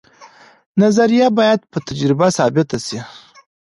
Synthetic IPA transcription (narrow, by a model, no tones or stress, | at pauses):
nazaɾijabɑːjad̪̚pət̪ad͡ʒɾɪbasɑbɪt̪asi